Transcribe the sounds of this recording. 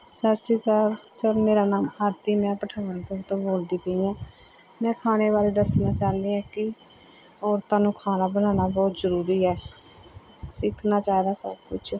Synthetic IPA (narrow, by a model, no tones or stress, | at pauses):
səsiːkəɾsəɾmeːɾaːnaːmaɾt̪iːmɛ̃ːpəʈʰaːʋəɳkəɾt̪õːboːld̪iːpəĩãː | mɛ̃ːkʰaːneːβaːleːd̪əsnaːt͡ʃaːnd̪iãːkɪ | ɔːɾt̪ãːnũːkʰaːnaːbənaːnaːbɔːt̪zəɾuːɾiːɛː | sɪkʰnaːt͡ʃaːid̪aːsəb̚kʊt͡ʃʰ